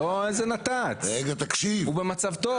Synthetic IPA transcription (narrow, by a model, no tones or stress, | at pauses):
oezenat̪at͡seɡat̪akʃivubemat͡savt̪o